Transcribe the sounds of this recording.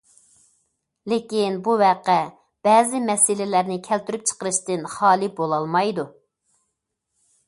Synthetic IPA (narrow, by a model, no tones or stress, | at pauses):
lekʲinbuwæqɛ | b̥ɛːzɪmɛsɪlɪlæɾnɪkʲʰælt̪yɾyp̚t͡ʃʰə̥qəɾɨʃt̪ɨnχɑːlˠɨbolˠɑlˠmɑjd̪u